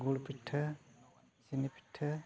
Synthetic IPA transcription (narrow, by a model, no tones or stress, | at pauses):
ɡuɽpitʰːɐ | sinipi̥tʰːɐ